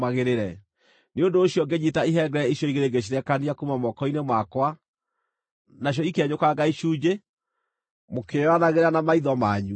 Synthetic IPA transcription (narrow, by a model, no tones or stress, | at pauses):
maɣeɾeɾɛ | neondoːɕiɔɡeɲitaiɦɛɡɛɛiɕjɔiɣeɾeɡeɕ̬iɾɛkaniakumamɔkɔinemwakwa | naɕ̬jɔikeɛɲokaɡaiʃuːd͡ʑe | mokewanaɣeɾanamaiðɔmaːɲu